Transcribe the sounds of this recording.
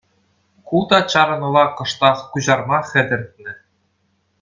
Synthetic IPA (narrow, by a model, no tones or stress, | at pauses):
kulˠd̪ɑt͡ɕɑɾɤ̆nɤ̆lˠɑqɤ̆ʂt̪ɑχkuʑɑrmɑχʲɘ̆d̪ʲɘ̆rt̪̚nʲɘ̆